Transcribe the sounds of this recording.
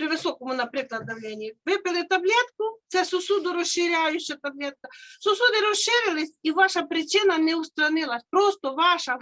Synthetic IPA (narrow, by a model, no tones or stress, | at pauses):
pɾiʋɪsokomunapɾɛklad̪avlʲɛnʲiɛvɛpɛlit̪ablʲɛt̪kusɛsosud̪uɾɔsʃiɾʲjajuɕɛt̪ablʲɛt̪̚kasosud̪iɾosʃiɾilisʲiʋaʃapɾit͡ʃinanɛust̪ɾanilˠasʲpɾost̪ovaʃa